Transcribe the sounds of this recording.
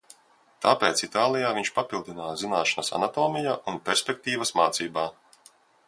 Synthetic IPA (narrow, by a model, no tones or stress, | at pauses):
t̪apeːt̪sit̪aːlˠijaːviɲʃpapilˠd̪inaːzinaːʃanɐsa̰nat̪oːmijaʔunpʲɛɾsʲpʲek̚t̪iːvɐsmaːt̪siːbaː